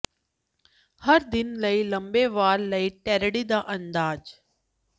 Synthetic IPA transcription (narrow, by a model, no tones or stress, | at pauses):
hɐɾd̪ɪnləilɐ̃mbeːʋaːɾlɐiʈɛːɾɽid̪aːʔɐ̃nd̪aːd͡ʒ